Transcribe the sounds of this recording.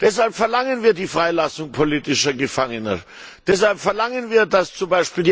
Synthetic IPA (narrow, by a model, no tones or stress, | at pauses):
d̥ɛshalpfɛɐlaŋənviːɐdiːfʁ̥aɪlasʊŋpʰoliːtɪʃɐɡəfaŋənɐ̰ | d̥ɛshalpfɛɐlaŋənviːɐdast͡sʊmbaɪʃpiːldi